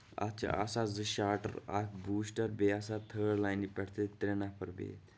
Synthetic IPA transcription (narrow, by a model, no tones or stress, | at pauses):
ɐ̰t͡ʃʰa̰sazɨʃaːʈə̰ɾa̰kbuːsʈəɾbeːasat̪ʰəːɽlaːjnipɛɽt̪ʰet̪ɾenapʰɐɾbḛː